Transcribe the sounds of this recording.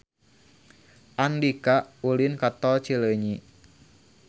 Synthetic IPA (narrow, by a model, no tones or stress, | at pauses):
ʔandikaʔulinkat̪ɔt͡ʃiləɲi